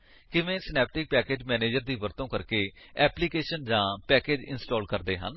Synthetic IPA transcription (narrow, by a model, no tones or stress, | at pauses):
kɪʋẽːsɪnɛːp̚ʈɪk̚pɛːkeːd͡ʒmɛːneːd͡ʒəɾd̪iːʋəɾt̪õːkəɾkeː | ɛːpliːkeːʃənd͡ʒãːpɛːkeːd͡ʒɪ̰nsʈoːlkəɾd̪eːɦə̰n